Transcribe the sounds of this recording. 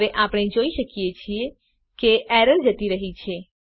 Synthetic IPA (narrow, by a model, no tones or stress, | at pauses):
ʋeʔapɽ̃ed͡ʒoiʃəkijet͡ʃʰie | keɛɾəɾd͡ʒət̪iɾəɦit͡ʃʰe